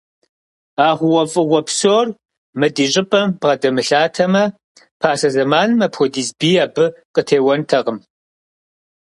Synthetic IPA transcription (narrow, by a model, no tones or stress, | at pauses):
aːʁʷʊwɔfʼɨʁʷɔpsoːr | mɨdiːɕʼɪpʼɐmbʁɐdɐmɨɬaːtʰɐmɐ | pʰaːsɐzɐmaːnɨmɐpʰxɔdiːzbiːaːbɨqətʰeːwɐntʰɐʁəm